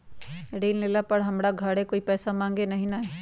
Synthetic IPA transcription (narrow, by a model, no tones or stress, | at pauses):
ɽeːlleːlapɐɽɦɐmɽaɡʱaɽekoːipɛːsamãːŋɡenɐɦĩnae